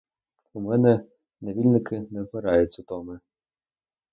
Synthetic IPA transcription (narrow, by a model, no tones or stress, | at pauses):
umɛnɛ | neʋʲilʲnɪkɪnɛpeɾɑjʊt͡sʲʊt̪ɔmɪ